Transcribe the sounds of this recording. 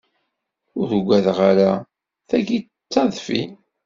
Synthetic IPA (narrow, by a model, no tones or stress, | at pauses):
ʊɾɡʷæðʁaɾa | θæʝi | t͡sːɑðˤfi